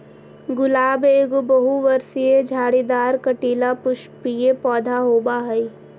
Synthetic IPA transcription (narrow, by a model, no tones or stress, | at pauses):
ɡʊlaːbeːɡobɐɦuʋɐɾsied͡ʒʱaːɽid̪aːɾkɐʈiːlapʊʃpijepɔːd̪ʱaɦoːbaɦɐi